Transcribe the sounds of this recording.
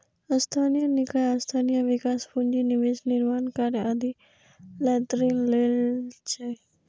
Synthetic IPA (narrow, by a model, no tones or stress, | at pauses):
əst̪ʰanijənɪkajast̪ʰanijəʋɪkaːspuɲd͡ʒiniʋesnɪɾmaːnkaɾjad̪i | lɛt̪ɾinlelt͡ʃʰe